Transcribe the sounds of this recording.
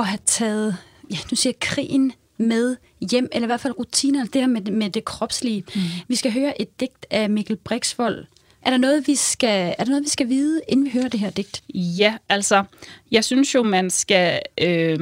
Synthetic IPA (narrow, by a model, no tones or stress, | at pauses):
ɒ̽ɦæt͡sʰɛːð̞̩ˠ | jæd̥usḭːɐkʰʁḭːn | með̞ˠ | jem̰elɐiʋæɐ̰̥fælʁut͡sʰḭːnɐelsd̥e̝æɐmemed̥e̝kʰʁɒ̽b̥sliːʋisɡ̥æɦøːɐʔe̝d̥ːe̝ɡ̥̚d̥æmiɡ̥ʰælb̥ʁeɡ̥sʋɒ̽l̰ | ʔæɐɾ̥ɑnɔ̽ːð̞̩ˠʋisɡ̥ææɐd̥eno̽ːð̞̩ˠʋisɡ̥æʋiːð̞ˠəe̝nn̩ʋiɦøːɐd̥e̝ɦeɐd̥e̝ɡ̥̚d̥jææl̰sɒjɑ̈ɪsynsjo̝mænsɡ̥æø